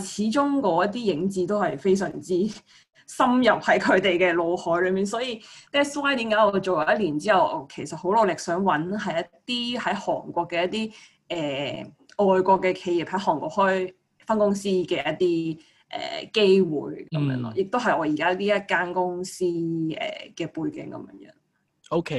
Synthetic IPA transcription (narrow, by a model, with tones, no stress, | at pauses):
t͡sʰiː˨˥t͡ʃʊ˥ŋkɔː˨˧˥jɐ˥t̚t̪iː˥jɪ˨˥ŋt͡siː˧˥t̪o˥whɐ˨jfe˥js̬œ̰ː˨˩ŋt͡siː˥ | sɐ˥mjɐ˨p̚hɐ˨˥jkʰɵ˨˧ɥt̪e˨jkɛː˧lo˨˧whɔː˨˥jlɵ˨˧miː˨˩nsɔː˨˥jiː˧t̪ɛː˥swaː˥jt̪i˨˥kaː˨˧˥jɔː˨˧t͡so˨wjɐ˨˧wjɐ˥t̚liː˨˩nt͡siː˥jɐ˨˩wkʰe˨˩jsɐ˨t̚ho˨˥wlo˨˧wlɪ˨k̚sœː˨˥ŋwɐ˨˥nɦɐ˨jjɐ˥t̪iː˥hɐ˨˥jhɔ̰ː˨˩ŋkʷɔː˧kːɛː˧jɐ˥t̪̚iː˥ | ʔɛː˨ | ɔː˨jkʷɔː˧kːɛː˧kʰe˧ji˨˩p̚hɐ˨˥jɦɔː˨˩ŋkʷɔː˧khɔː˥j | fɐ˥nkʊ˥ŋsiː˥kɛː˧jɐ˥t̚t̪iː˥ | ʔɛ̰ː˨ke˥jwṵː˨˩jkɐ˨˧˦mjœ̰ː˧˥ŋlɔ̰˧jɪ˨k̚t̪o˥wɦɐ˨jɔː˨˧jiː˨˩kaː˥liː˥jɐ˥t̚kaː˥nkʊ˥ŋsiː˥ɛ̰ː˨˩kɛː˧puː˧jkɪ̰˨˥ŋkɐ̰˨˦mjœ̰ː˧˥ŋjœ̰ː˨˧˥ŋ | o˥wkʰe˦